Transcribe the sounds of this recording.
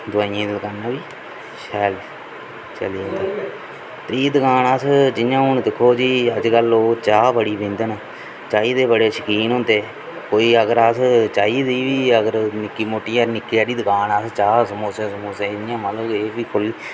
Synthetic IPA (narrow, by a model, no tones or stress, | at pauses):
d̪ʊaːijãːd̪əlkanaːʋiː | ʃɛːl | t͡ʃəliːõnd̪aː | t̪ɾiːd̪əkaːnəːsd͡ʒɪjãːɦʊnd̪ɪkʰːoːd͡ʒiːəd͡ʒkəloːt͡ʃaːbəɽiːbẽːnd̪əna | t͡ʃaːiːd̪eːbəɽeːʃəkiːnɦõːnd̪eː | koːiːəɡəɾəst͡ʃaːiːd̪iːʋiːəɡəɾnɪkːiːmoːʈiːəːɾnɪkːiaːɾiːd̪əkaːnaːst͡ʃaːsəmoːsẽːsəmoːseːjãːmət̪ləbeːʋiːkʰʊliː